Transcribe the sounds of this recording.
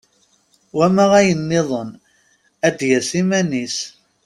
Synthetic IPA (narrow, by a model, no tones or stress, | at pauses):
wæmæʁæjənːɪðˤən | æd̪jæsimænis